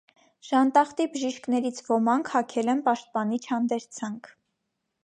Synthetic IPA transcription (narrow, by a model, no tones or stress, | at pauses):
ʃɑnt̪ɑχt̪ibəʒiʃknɛɾit͡sʰvɔmɑŋkʰhɑkʰɛlɛnpɑʃt̪̚pɑnit͡ʃʰhɑnd̪ɛɾt͡sʰɑŋkʰ